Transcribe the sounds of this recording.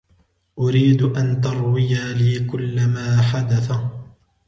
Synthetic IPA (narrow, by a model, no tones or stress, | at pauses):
ʔʊɾiːd̪ʔant̪ɑɾˤwɪjaliːkʊlːamaːħad̪aθa